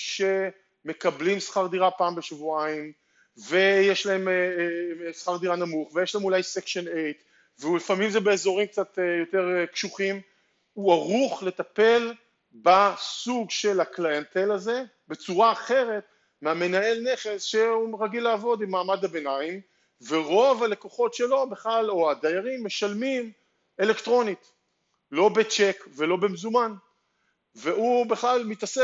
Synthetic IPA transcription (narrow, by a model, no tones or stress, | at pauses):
ʃe̞ | me̞kablimsχaʁd̪iʁapaːmbeʃvuaim | ve̞jeʃlae̞m | sχaʁd̪iʁanamuχvejeʃlaemulajsekʃonejt̪ | veulifamimzebe̞ːzo̞ʁimk̚t͡sat̪jo̞te̞ʁkʃuχim | uaʁuχle̞t̪ape̞l | basuɡʃe̞laklajant̪e̞laze̞ | be̞t͡suʁaːχe̞ʁe̞t̪ | meame̞nae̞lne̞χe̞sʃeuʁaɡilaːvo̞d̪imːaːmad̪abe̞naim | veʁo̞vale̞koχo̞tʃe̞lo̞beχlalo̞ad̪ajaʁimːe̞ʃalmim | e̞le̞ktʁo̞nit | lo̞bet͡ʃekve̞lo̞bemzuman | veubeχlalmit̪ase